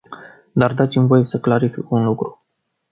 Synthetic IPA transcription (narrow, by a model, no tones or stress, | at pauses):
d̪ard̪at̪simvo̞je̞səklaɾifikunlukɾu